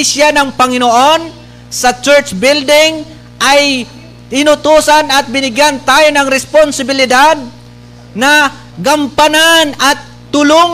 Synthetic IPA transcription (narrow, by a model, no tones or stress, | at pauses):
isjanɐŋpɐŋɪnoʔo̞n | sɐt͡ʃɛɹt͡ʃbɪld̪ɪŋ | ʔɐj | ɪnʊt̪uːsɐnɐt̪̚bɪnɪɡjant̪aːjonɐŋɾɛsponsɪbɪlɪd̪ad̪̚ | nɐ | ɡɐmpɐnanɐt̪ːʊlo